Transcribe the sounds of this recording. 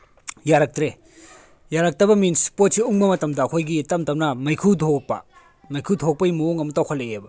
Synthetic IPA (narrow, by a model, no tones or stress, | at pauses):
jaɾak̚tɾe | jaɾak̚tɐbɐminsi̥pot̚siuŋbɐmɐtɐmdɐːkʰojɡitɐmtɐmnɐmɐjkʰudʰʱok̚pɐ̰ | mɐjkʰudʰʱok̚pɐimuoŋɐmutɐwkʰɐleebɐ